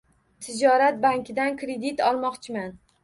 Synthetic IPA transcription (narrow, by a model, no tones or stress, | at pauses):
t̪ʰɪd͡ʒɒɾat̪̚baŋkʲɪd̪ankɾed̪it̪ɒlˠmɒqt͡ʃʰɪman